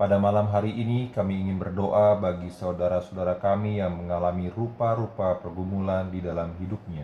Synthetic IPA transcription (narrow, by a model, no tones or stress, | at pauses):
padamalamɦaɾiʔːnikamiːŋɪnbərdoʔabaɡisaudaɾasodaɾakamijaŋməŋalamirupaɾupapərɡumulandidalamɦidʊp̚ɲa